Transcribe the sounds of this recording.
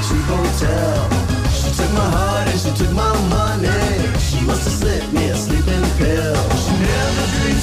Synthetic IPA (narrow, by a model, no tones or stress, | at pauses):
ʃihoʊtʰɛ | lˠlˠ | ʃitʰʊk̚maɪɦɑɹɾɨ̃ʃitʰʊk̚maɪmãɪnɛdʃiwʌz̥ʰɨslɪp̚miɨ̃slipɪ̃npʰe | lˠʃinɛ | ʌsi